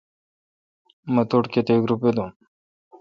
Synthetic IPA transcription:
mɐt̪oʈket̪eɡɾuped̪um

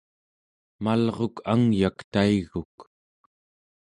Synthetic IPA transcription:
malʁo̞kʰaŋjakt̪aiɣuk

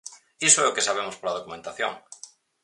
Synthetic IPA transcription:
isoɛʊkesaβ̞emʊspolað̞okumẽnt̪aθjo̰ŋ

